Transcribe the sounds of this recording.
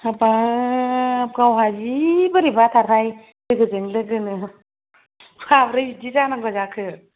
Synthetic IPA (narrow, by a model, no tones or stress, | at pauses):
apa | ɡawɦad͡ʒibɯɾibatʰaɾaj | lɯɡɯzɯŋlɯɡɯnɯ | pʰabɾɯjidizanaɡɔzakʰɯ